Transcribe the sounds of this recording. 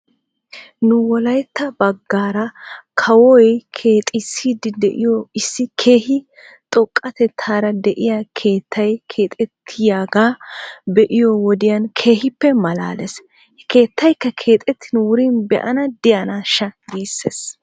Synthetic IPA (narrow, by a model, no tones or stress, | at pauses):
nʊwɔlɐjt̪ːɐbɐɡːaːɾɐkʰɐwɔjkʰeːt̪ʼɪsiːd̪ɪd̪ɛʔɪ̰jɔɪsːɪkʰeːhɪ | t̪ʼɔkʼːɐt̪ɛt̪ʰːaːɾɐd̪ɛʔɪjakʰe̞ːt̪ʰːɐjkʰe̞ːt̪ʼɛt̪ʰːɪjaːɡaːbɛʔɪjɔwɔd̪ɪjɐnkʰe̞ːɦɪpːɛmɐla̰ːlɛs | hɛke̞ːt̪ːɐjkːɐkʰe̞ːt̪ʼɛt̪ːɪnʊwʊɾinbɛ̰ʔɐnɐd̪ɪjɐnaʃɐɡeːsːḛːs